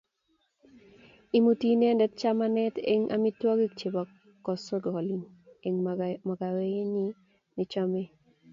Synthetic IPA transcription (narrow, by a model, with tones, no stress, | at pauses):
i˦mu˦ti˦nɛ˦ndɛ˦t̚t͡ʃa˦ma˦nɛ˦tḛ˦ŋʔa̰˦mi˦twɔ˦ɡi˦k̚t͡ʃe˨bɔ˨ | kːɔ˨sɔ˦ɡɔ˨li˨n | eŋmɔ˨ɡa˨we˦je˦ɲi˦ | nɪ˦t͡ʃɔ˦me˦